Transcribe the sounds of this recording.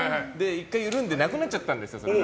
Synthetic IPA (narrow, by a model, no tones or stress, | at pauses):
ɦnd̪eikːajɯɾɯɯnd̪enaɡɯnat͡ɕːat̪ːanɾesas